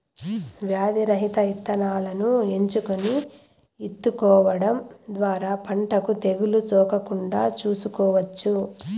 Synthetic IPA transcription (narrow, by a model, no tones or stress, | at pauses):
ʋjaːd̪iɾɐɦit̪ɐit̪ːɐnaːlɐnue̞ɲt͡ʃukoni | it̪ːukɔːʋɐɽɐmd̪ʋaːɾaːpɐɳʈɐkut̪e̞ɡulusɔːkɐkuɳɖaːt͡ʃuːsukɔːʋɐt͡ʃːu